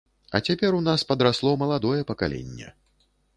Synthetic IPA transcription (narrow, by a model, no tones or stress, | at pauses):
ɐ̰t͡sʲapʲɛɾunaspɐd̪ɾaslˠɔmɐlˠad̪ɔjɛpɐkalʲḛnʲːɛ̰